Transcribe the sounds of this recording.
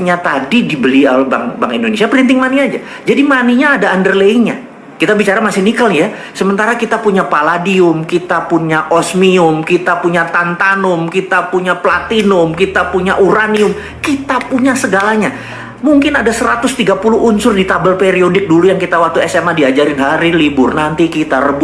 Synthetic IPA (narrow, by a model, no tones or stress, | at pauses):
ɲat̪adidibəlialbaŋbaŋindonesiapəɾint̪ɪŋmaniad͡ʒa | d͡ʒadimaniɲaːdaːndərleiɲa | kit̪abit͡ʃaɾamasɪhnikalja | səmənt̪aɾakit̪apuɲapaladiʊmkit̪apuɲaʔɔsmiʊmkit̪apuɲat̪ant̪anʊmkit̪apuɲaplat̪inʊmkit̪apuɲaʔuɾaniʊm | kit̪apuɲasəɡalaɲa | muŋkɪnadasəɾat̪ʊst̪iɡapulʊɦunsʊrdit̪abəlpeɾiodɪk̚dulujaŋkit̪awat̪uɛsɛmadiad͡ʒaɾɪnɦaɾilibʊrnant̪ikit̪arəb